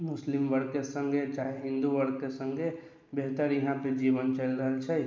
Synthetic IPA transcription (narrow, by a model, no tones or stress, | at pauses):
mʊslɪmʋəɽɡkesə̃ŋɡʱet͡ʃaːɦeɦɪ̃nd̪uʋəɾ̚kesə̃ŋɡʱe | beɦt̪əɾjəɦãped͡ʒiːbənt͡ʃəlɾəɦəlt͡ʃʰɛ